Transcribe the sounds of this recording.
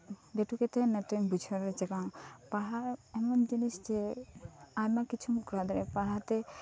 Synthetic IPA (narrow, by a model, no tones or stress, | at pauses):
d̪ɛʈukɛt̪ɛnɛt̪umbud͡ʒʱɔɾɛd͡ʒɛɡawpaɽaɛmɔnd͡ʒinisd͡ʒɛ | ajmakit͡ʃʰumkɾad̪ɔɾɛpaɽat̪ɛ